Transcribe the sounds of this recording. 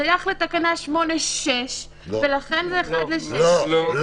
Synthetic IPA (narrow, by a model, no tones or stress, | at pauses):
ajaχle̞t̪akanaʃmo̞neeʃ | ve̞laχenzeːχad̪leʃe